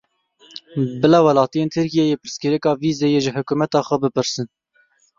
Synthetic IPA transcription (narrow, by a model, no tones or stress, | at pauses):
bɨlɑwɛlɑːt̪ijeːnt̪ʰɨɾkijejeːpɨɾskɨɾɛkɑːviːzejeʒɪhʊkumɛt̪ɑːxʷɛbɨpɨɾsɨn